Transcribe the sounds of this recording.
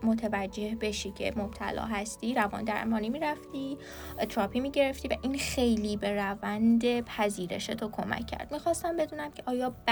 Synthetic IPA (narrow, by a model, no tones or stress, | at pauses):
mot̪ʰevæd͡ʒːe̞hbe̞ʃicʰḛmob̥̚t̪ʰæ̰lɒ̰ːɦæst̪iːɾævɒ̰nd̪æ̰ɾmɒːnimiːɾæft̪i | t̪ʰɾɒːpʰimiːɟe̞ɾe̞ft̪iːvæʔinxe̞jliːbe̞ɾævænd̪e̞pʰæziːɾe̞̰ʃet̪ʰokʰo̞mæ̰cʰːæ̰ɾd̪̥mixɒːst̪æmbe̞d̪uːnæmcʲʰeʔɒːjɒːb